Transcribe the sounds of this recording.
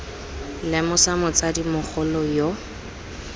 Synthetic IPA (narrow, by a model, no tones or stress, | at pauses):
lɛmʊsamʊt͡sadimʊk͡xʰʊlɔjo